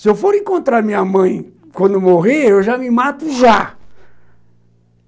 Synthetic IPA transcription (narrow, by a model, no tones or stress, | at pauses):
sɪewfoɾẽkõnt̪ɾamĩɲɐmɐ̃j̃ | kwɐ̃nd̪ʊmoɦeewʒamɪmat̪ʊʒa